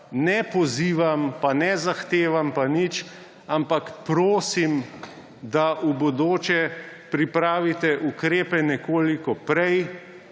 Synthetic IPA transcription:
nɛpɔziːʋampanɛzaxt̪eːʋampanit͡ʃ | ampakpɾoːsim | d̪aʔubɔd̪oːt͡ʃɛ | pɾipɾaːʋit̪ɛʔukɾeːpɛnɛkoːlikɔpɾɛj

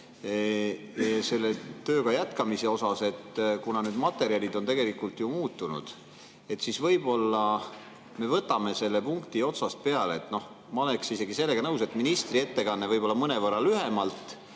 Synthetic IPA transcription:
se̞lːet̪øːɡɑjæt̪kɑmise̞o̞sɑse̞t̪ːkunɑnyd̪mɑt̪ːˑe̞ɾiɑlʲid̪o̞nt̪e̞ɡe̞likːˑult̪jumuːt̪ːˑunṵd̪̥ | e̞t̪ːsisvɤjb̥o̞lːɑ | me̞vɤt̪ːˑɑme̞se̞lːe̞puŋkt̪io̞t̪sɑst̪̚pe̞ɑleːt̪ːno̞h | mɑoleksise̞ɡise̞lːe̞ɡ̥ɑnɤwse̞t̪ːˑminist̪rie̞t̪ːe̞kɑnːevɤjb̥o̞lːɑmɤne̞vɤrːɑlyɦe̞mɑlt̪ˑ

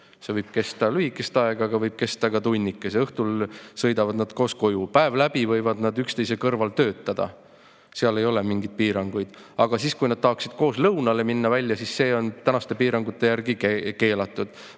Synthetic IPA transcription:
se̞vɤjb̥̚ke̞st̪ɑlyikːˑest̪ɑeɡ̥ɑɡ̥ɑvɤjb̥̚ke̞st̪ɑkɑt̪unʲːikːˑeseɤht̪ulsɤjd̪ɑvɑd̪nɑd̪̥ko̞ːsko̞jupæe̞vlæb̥ivɤjvɑd̪nɑd̪ykst̪e̞jsekɤrvɑlt̪ø̞ːt̪ːˑɑd̪̥ɑ̰ | seɑle̞jo̞lemiŋɡ̥id̪̥̚piːɾɑŋɡ̥ujd̪̥ | ɑɡ̥ɑsiːskujnɑd̪̥̚t̪ɑɦɑksid̪̥̚ko̞ːslɤwnɑle̞minːɑvælʲːjɑsisːe̞ːo̞nt̪ænɑst̪e̞piːɾɑŋɡ̥ut̪ːˑe̞jærɡ̥ikeke̞ːlɑt̪ːˑud̪̥

